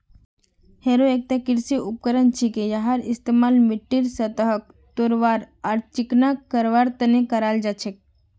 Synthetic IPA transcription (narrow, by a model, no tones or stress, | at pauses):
heɾoek̚t̪akiɾsiʔup̚kəɾənt͡ʃʰikejaɦaɾist̪emaːlmiʈːiɾsət̪əɦək̚ | t̪oɾʋaːɾ | aɾt͡ʃiknakəɾʋaːɾt̪ənekəɾald͡ʒat͡ʃʰek̚